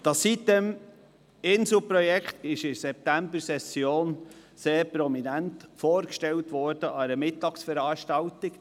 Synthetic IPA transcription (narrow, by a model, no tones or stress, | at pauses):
d̥ɑsːit̚dɛm | ɪnsl̩pɾɔjɛkχt̪ɪʃɪsɛp̚t̪æmbəɾsɛsjoːn | seːɾpɾɔminæntfoːɾkʃtɛltʋɔːɾd̥əʔɑɾəmɪt̪ːɑksfəɾɑːʃtɑlt̪ɪk